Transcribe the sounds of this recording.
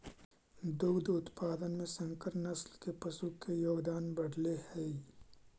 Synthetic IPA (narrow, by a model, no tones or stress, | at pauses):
d̪uːd̪ʊt̪paːd̪ənmẽsɐ̃ŋkəɾnɐslkepɐsukejoːɡd̪aːnbɐɽlehɛ